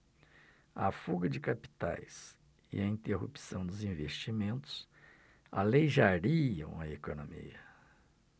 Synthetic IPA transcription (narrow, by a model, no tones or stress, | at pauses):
ɐfuɡɐd͡ʒɪkapi̥t̪a̰js | ɪ̰ɐĩnt̪eɦṵpi̥sɐ̃w̃d̪ʊzĩvest͡ʃimẽnt̪ʊ̥s | a̰lejʒaɾiɐ̰̃w̃ɐekonomḭɐ